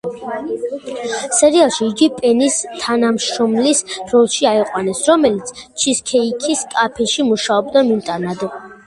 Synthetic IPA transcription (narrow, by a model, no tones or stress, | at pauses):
sɛɾialˠʃiːɡipʼɛnist̪ʰanamʃɾɔmlisɾɔlˠʃiaiqʼwanɛsɾɔmɛlit̪sʰt͡ʃʰiskʰɛikʰiskʼapʰɛʃimuʃaɔbd̪amimt̪ʼanad̪